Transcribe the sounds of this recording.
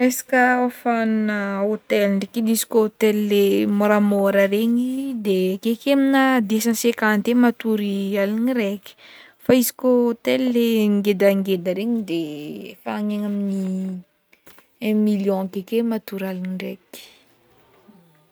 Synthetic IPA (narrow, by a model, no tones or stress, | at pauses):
esḁkəofanunəot̪elnɖ͡ʐekid̪izi̥koot̪ellemoɾamoɾəɾeɲid̪ekekeminad̪esansekant̪emat̪uɾialiniɾeki̥ | faizi̥koot̪elleŋɡed̪aŋɡed̪əɾeɲid̪efaaɲeŋamini | ɛ̃miljɔ̃kekemat̪uɾalinireki̥